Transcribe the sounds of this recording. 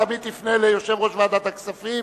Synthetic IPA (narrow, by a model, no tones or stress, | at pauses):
abit̪ifnelejoʃe̞vʁoʃvaːd̪at̪aksafi